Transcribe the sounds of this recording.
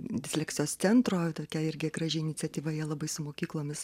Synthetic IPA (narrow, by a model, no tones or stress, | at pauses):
d̪ʲɪsʲlʲɛːkt̪t͡sʲɪjoːssʲɛnt̪ɾoːt̪oːkʲɛɪɾʲɡʲɪkɾɐʒʲɛɪnʲɪt͡sʲɛt̪ʲiːʋɐiɛlˠɐbɐɪsʊmoːkʲiːklˠoːmʲɪs